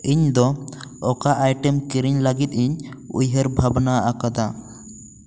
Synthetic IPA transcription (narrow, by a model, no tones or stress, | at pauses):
iɲd̪ɔɔkaʔajʈɛmkiɾiɲlaɡit̪̚iɲṵjɦəɾbʱabnaakad̪a